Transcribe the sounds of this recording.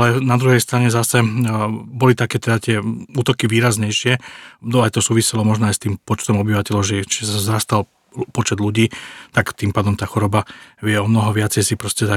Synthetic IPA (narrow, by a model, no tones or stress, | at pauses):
alɛnad̪ɾuɦɛjst̪ɾaɲɛzasɛ | bɔlit̪akɛːt̪ɛd̪at̪ɪɛuːt̪ɔkiʋiːɾazɲɛjʃɪɛɔajt̪ɔsuːʋisɛlɔmɔʒnɔajst̪iːmpɔt͡ʃt̪ɔmɔbiʋacɛlɔʊʒɛt͡ʃiszɾast̪al | pɔt͡ʃɛd̪luɟiːt̪akt̪iːmpaːd̪ɔmt̪aːxɔɾɔbaʋɪɛɔmnɔɦɔʋɪat͡sɛjsipɾɔscɛt̪a